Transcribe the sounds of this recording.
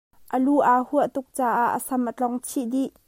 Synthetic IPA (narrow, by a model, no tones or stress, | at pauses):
ʔəluʔaːhuəʔt̪ʊk̚t͡saːʔaʔːəsɐmʔət͡ɬɔŋt͡sʰiʔd̪iʔ